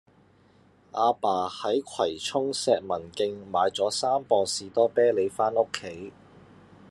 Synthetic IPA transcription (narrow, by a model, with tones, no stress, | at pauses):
ʔaː˧paː˨˩hɐ˨˥jkʷʰwɐ˨˩jt͡ʃʰʊ˥ŋsɛː˧k̚mɐ˨˩nkɪ˧ŋmaː˨˧jt͡sɔː˨˥saː˥mpɔː˧siː˨t̪ɔː˥pɛː˥le˨˧jfaː˥nʊ˥kʰːe˨˥j